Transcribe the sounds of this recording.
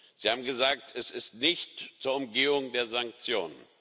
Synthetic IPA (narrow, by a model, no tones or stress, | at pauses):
z̥iːhaːbm̩ɡəzaːk̚tʰɛsɪstnɪçtt͡suːɐʊmɡeːʊŋdeːɐzaŋk̚t͡sjo̰ːnən